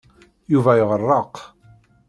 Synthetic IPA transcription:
juvæjəʁərˤːɑq

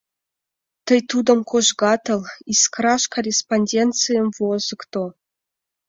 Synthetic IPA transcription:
t̪əjt̪ud̪ə̆mkʰoʒɡɑt̪ɤ̆lˠiskrɑʃkorʲesponʲdʲent̪t͡sɨjəmvozɨkt̪o

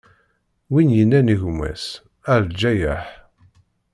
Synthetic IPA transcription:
winjənːæniʝmːæ̰s | æɾd͡ʒæjaħ

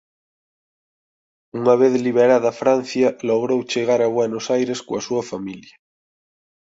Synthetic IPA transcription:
uŋaβeðliβ̞eɾaðɐfɾan̟θjɐloɣ̞ɾowt͡ʃeɣ̞aɾaβwenosajɾeskoasuɐfamiljɐ

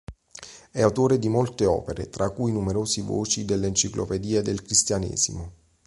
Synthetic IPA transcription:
ɛawt̪oːɾed̪imolt̪eɔ̰ːpeɾḛt̪ɾakːujnumeɾoːsivo̰ːt͡ʃid̪elːeːnt͡ʃiklʔo̰ped̪iːed̪elkɾist̪janḛːzḭmo

